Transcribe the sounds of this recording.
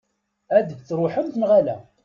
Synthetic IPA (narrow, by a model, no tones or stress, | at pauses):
æd̪əçt͡sːɾˤʊħəmθəmʁalæ̰